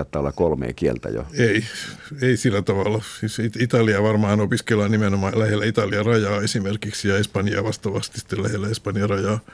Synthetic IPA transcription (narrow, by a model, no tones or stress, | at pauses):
t̪ːɑːolːɑkolmḛːkielt̪æ̰jo̰ei | eisilːæt̪ɑʋɑlːˑɑsiːsit̪it̪ɑliɑʋɑrmɑːnopiskelːɑnimenomɑːlæhelːæit̪ɑliɑrɑjɑːesimerkiksjɑespɑnjɑ̰ːʋɑst̪ɑʋɑst̪i̥si̥t̪ːelæ̰helːæespɑnjɑrɑjɑː